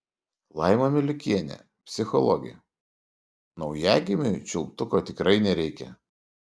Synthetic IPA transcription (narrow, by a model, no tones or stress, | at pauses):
lˠɑˑɪmomʲɪlʲɪkʲiɛnʲɛ̰ | pʲsʲɪxɔlˠɔ̰ɡʲɪ̰ | nɒʊjæːɡʲɪmʲɪt͡ʃʲʊlˠpt̪ʊkot̪ʲɪkɾɐɪnʲɛɾʲɛɪkʲɛ̰